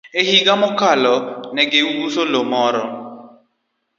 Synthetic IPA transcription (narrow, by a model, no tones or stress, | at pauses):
ehiɡamɔkalɔnɛɡeuɡusolomɔɾɔ